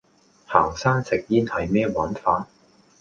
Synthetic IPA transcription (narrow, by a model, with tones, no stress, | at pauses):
ha̰ː˨˩ŋsaː˥ŋsɪ˨k̚jiː˥nhɐ˨jmɛː˥waː˨˥nfaː˨˥n